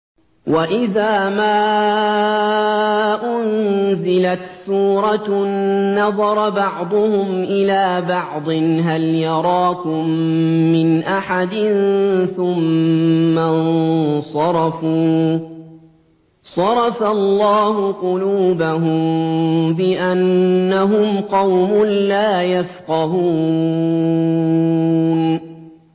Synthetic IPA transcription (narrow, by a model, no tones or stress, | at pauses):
wʔaʔɪðaːmaː | ʔʊnzɪlat̪suːɾˤɑː | ɑðˤɑɾˤɑbɑʕd̪ˤʊhʊmʔɪlaːbɑʕd̪ˤɨnɦaljɑɾˤɑːkʊmːɪnʔaħad̪ɪnθʊmː | annsˤɑɾˤɑfuː | sˤɑɾˤɑfalːɑːɦʊqʊluːbaɦʊmbɪʔanːaɦʊmqɑwmʊnlaːjafqɑɦuː | n